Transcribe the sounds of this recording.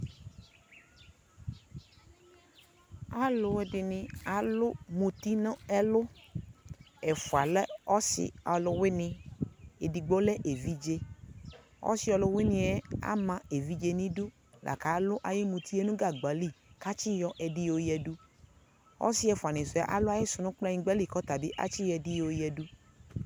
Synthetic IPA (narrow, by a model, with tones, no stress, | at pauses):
a˨lʊ˨wɛ˦ɖɪ˨nɪ̃˨a˨lʊ˦mũ˨t̪i˦nɔ̃˦ɛ˦lʊ˦ | ɛ˨fʊ˨a˨lɛ˦ɔ˦sɪ̰˨ɔ˨lʊ˨wɪ˦nɪ̃˨e˨di˨ɡ͡bo˦lɛ˦ʔe˨vi˦d͡ʒe˦ | ɔ̰˦sɪ˦ɔ˧lʊ˧wɪ˦nɪ̃˧ɛ˦a̰˦mã˨e˨vi˦d͡ʒe˧nĩ˦du˦ | lʔa̰˨ka˨˦lʊ˦ʔa˨je˦mũ˧t̪i˦ɛ˦nũ˦ɡa˦˨ɡ͡ba˨li˦˨ka˦t͡ʃi˦jɔ˧ʔɛ˨di˦jo˨jɛ˨du˦ | ɔ̰˦sɪ˦ɛ˨fa˨nɪ̃˨sʊ˨a̰˦ʔa̰˨lʊ˦a˦je˦sʊ˨nʊ̃˦k͡pla˦ɲĩ˧ɡ͡bɛ˦li˦˨kɔ˦t̪a˨bi˦ʔa̰˦t͡ʃi˦jɛ˧di˦jo˨jɛ˨du˦